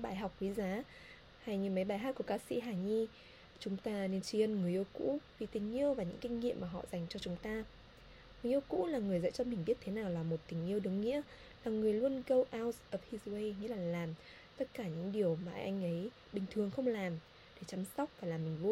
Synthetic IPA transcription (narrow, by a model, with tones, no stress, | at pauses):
ɓaː˧˩jɦa˨˩wk͡p̚kwi˨˦zaː˨˦ | ha˧jɲɨ˧˩mə˨˦jɓaː˧˩jɦa˦˥t̚ku˧˩əkaː˧sḭ˧˥ɦaː˨˩ɲi˧ | t͡ɕʊ˨˦ŋ͡mt̪aː˧ne˧nt͡ɕi˧ənŋɨ˨˩əjʔə˧wkṵ˧˥vi˨˩t̪ï˨˩ŋ̟ʔi˧əwvaː˨˩ɲɨ̰˧˥ŋkï˧ŋ̟ːḭ˧˨əmːaː˨˩ɦɔ̰˧˨za˨˩jŋ̟t͡ɕɔ˧t͡ɕʊ˨˦ŋ͡mt̪aː˧ | ŋɨ˨˩˦jʔə˧wkṵ˧˥laː˨˩ŋɨ˨˩əjzə̰˧˥t͡ɕɔ˧mï˨˩ŋ̟ɓi˦˥ət̚t̪ʰe˨˦naː˨˩wlaː˨˩mo˨˩t̚t̪ï˨˩ŋ̟ʔi˧əwɗɨ˨˦ŋŋḭ˧˥ə | laː˨˩ŋɨ˨˩əjlu˧ənɣə˧wʔaː˧wsʔəː˨˩p̚hi˧zwe˧jŋḭ˧˥laː˨˩laː˨˩m | t̪ə˦˥t̚kaː˧˩ɲɨ̰˧˥ŋɗi˨˩əwmaː˨˩ʔa˧jŋ̟ʔə˨˦j | ɓï˨˩ŋ̟t̪ʰɨ˨˩əŋxə˧wŋ͡mlaː˨˩m | ɗe˧˩t͡ɕa˨˦msa˦˥wk͡p̚vaː˨˩laː˨˩mːï˨˩ŋ̟lu˧ən